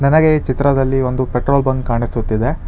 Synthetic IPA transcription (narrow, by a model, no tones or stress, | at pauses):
nɐnɐɡet͡ʃit̪ɾɐd̪ɐlːio̞nd̪upeʈɾoːlbɐŋɡkːaːɳisut̪ːid̪e